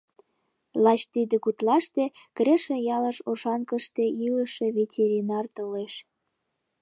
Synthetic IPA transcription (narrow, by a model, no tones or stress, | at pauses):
lɑt͡ɕt̪id̪ĕkut̪lɑʃt̪e | kɾeʃĕjɑlə̆ʃoʃɑnkə̆ʃt̪eiləʃevetʲeɾʲinɑrt̪oleʃ